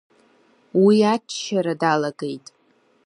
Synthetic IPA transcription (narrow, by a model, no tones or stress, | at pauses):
wiat͡ʃʰːʃaɾadalaɡejtʼ